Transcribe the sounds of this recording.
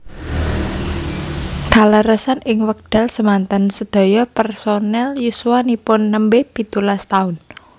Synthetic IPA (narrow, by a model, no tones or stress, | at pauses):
d̪̥a̤ləɾəsanɪŋwək̚d̪̥a̤lsəmant̪ansəd̪̥ɔ̤jɔpɛrsonɛljuswanipʊnːəmbepit̪ulast̪aʊn